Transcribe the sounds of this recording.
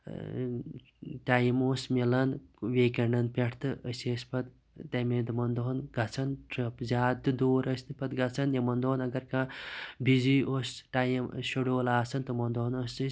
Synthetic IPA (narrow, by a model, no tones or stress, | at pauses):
ʈaːjimoːsmelɐnʋeːkɐɳɖɐnpʲɐʈʰt̪ɨʔəseːspɐt̪ | t̪ɐmẽːd̪ɨmɐnd̪oɦnɡɐt͡sʰɐnʈɾɐpzʲaːɨd̪oːɾəsnɨpɐt̪ɡɐt͡sʰɐnjɐmɐnd̪oːnɐɡɐɾkãːbʱiziːosʈaːjimʃoɖoːlaːsɐnt̪ɨmɐnd̪onɐsɨs